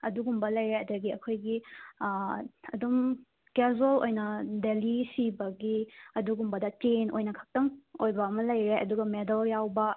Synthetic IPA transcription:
ɐduɡumbɐlɐjɾeɐdɐɡiɐkʰojɡi | ɐ̰dum | kezolo̰jnɐdelisibɐɡiɐduɡumbɐdɐt͡ʃenojnɐkʰɐ̥k̚tɐŋojbɐɐmɐlɐjɾeʔɐ̰duɡɐmedɐljawbɐ

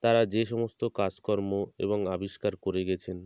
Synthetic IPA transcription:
t̪aɾad͡ʑeʃɔmost̪okad͡ʑkɔɾmoḛboŋabiʃkaɾkoɾeɡɛt͡ɕʰen

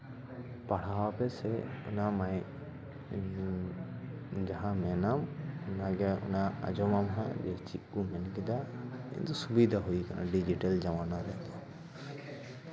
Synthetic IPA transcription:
paɽ̤awapɛsɛunamaj | d͡ʒaɦãmɛnamunaɡɛṵnaa̰d͡ʒɔmamɦã̰d͡ʒɛt͡ʃiʔumɛnkid̪aɛ̰nt̪ɔsubid̪ʱaɦujkana̰ɖid͡ʒiʈald͡ʒamanaɾɛt̪

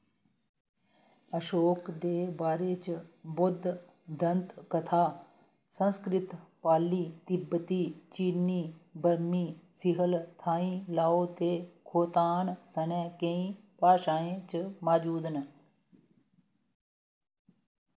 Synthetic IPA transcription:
əʃoːkd̪eːbaːɾeːt͡ʃbʊd̪ʱ | d̪ʱənt̪kət̪ʰaː | sə̃nskɾɪt̪paːliːt̪ɪbt̪iːt͡ʃiːniːbəɾmiːsɪɦəlt̪ʰaːĩːlaːoːt̪eːkʰoːt̪aːnsənɛ̃ːkeĩː | paːʃaːẽːt͡ʃmaːd͡ʒuːd̪nə

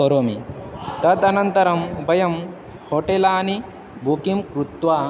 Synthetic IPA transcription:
oɾoːmit̪ɐd̪ɐnɐnt̪ɐɾɐmbɐjɐm | hoːʈelaːni | bʱukimkɾut̪ʋaː

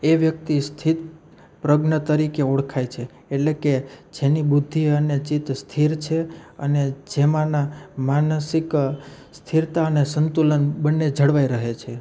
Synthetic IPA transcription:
eʋjəkt̪ist̪ʰit̪̚ | pɾəɡnət̪əɾikeoɽkʰajt͡ʃʰeː | ʈleked͡ʒenibud̪ʱːiənet͡ʃit̪st̪ʰiɾt͡ʃʰeə̰ned͡ʒemãnamansikst̪ʰiɾt̪aənesənt̪ulənbənːed͡ʒʱəɽʋaiɾəɦet͡ʃʰe

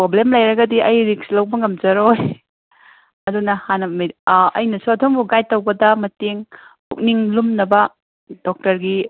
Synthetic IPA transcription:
pɾoblemlɐjɾɐɡɐdiʔɐjɾikslɐwbɐŋɐmd͡ʒɐɾoj | ɐdunɐhanɐmɐɐjnɐsuɐtʰoŋbuɡaj̚tːɐwbɐdɐmɐteŋpʰṵk̚niŋlumnɐbɐ | d̥ɔk̚tɐɾɡi

